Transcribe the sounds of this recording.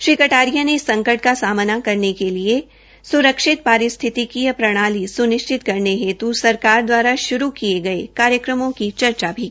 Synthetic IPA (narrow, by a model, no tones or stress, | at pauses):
ʃɪkəʈaːɾijãneɪsːɐ̃ŋkəɾʈ̚kasaːmnakɐɾnekelie | sʊɾəkʃɪt̪̚paːɾɪst̪ʰɪt̪ikijɐpɾɐɽ̃aːlisʊnɪʃt͡ʃʰɪt̪kɐɾneɦeːt̪usɐɾkaːɾd̪waːɾaʃʊɾukieɡɐekaːɾjəkɾəmõkit͡ʃɐɾt͡ʃabʱi